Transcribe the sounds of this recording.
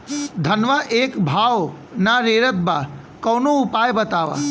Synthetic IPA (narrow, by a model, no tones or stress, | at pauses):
d̪ʱɐnʋaʔeːkbʱaːʋ | naɾeːɾət̪̚ba | kɐwnoʊpaːjbət̪aːʋa̰